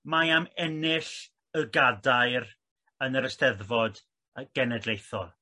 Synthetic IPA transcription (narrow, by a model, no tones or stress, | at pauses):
majamɛnɪɬ | əɡadajr | ənəɾəstɛðvɔd | ɡ̥ɛnɛdlˠejθɔlˠ